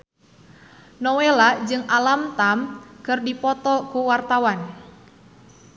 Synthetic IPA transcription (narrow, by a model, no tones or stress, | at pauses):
nɔwelad͡ʒɨŋʔalamt̪amkɨrdipɔt̪ɔkuwart̪awan